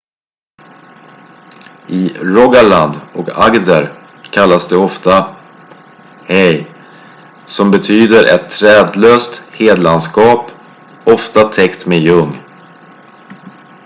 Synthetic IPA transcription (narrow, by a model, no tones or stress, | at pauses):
ʔɪɾɔɡaɭand̪ɔka̰ɡd̪əɾ | kʰalːasd̪ɛɔft̪a | hɛj | sɔmbɛt̪ʰyːd̪əɾʔɛ̰t̪ʰːɾɛːd̪løːst̪heːd̪lanskɑːp | ɔft̪at̪ʰɛkt̪mejɵŋː